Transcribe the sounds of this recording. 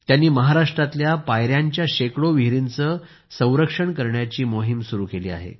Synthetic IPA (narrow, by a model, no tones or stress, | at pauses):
t̪janːiːməɦaɾaʂʈɾat̪ljapajɾjaɲt͡ɕjaɕekɽoʋiɦɾint͡səː | sə̃w̃ɾəkʂəɳkəɾɳjat͡ɕiːmoɦimsuɾuːkeliːa̰ɦḛ